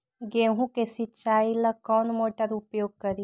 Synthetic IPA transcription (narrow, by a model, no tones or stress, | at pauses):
ɡeːɦũkesit͡ʃaːilakɔːnmoːʈəɾʊpjoːɡ̚kəɾi